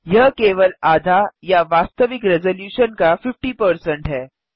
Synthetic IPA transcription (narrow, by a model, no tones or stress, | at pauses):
jɐɦkeːʋəlaːd̪ʱajaʋaːst̪əʋɪkɾɛzoljuːʃənkafɪfʈipəɾsə̃ɳʈɦɛː